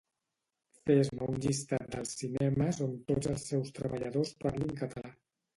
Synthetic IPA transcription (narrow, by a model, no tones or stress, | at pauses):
fezməuɲʎist̪at̪̚d̪əlˠsinɛməsont̪odzəlˠsːɛwst̪ɾə̰βəʎəðospaɾliŋkət̪ʰəla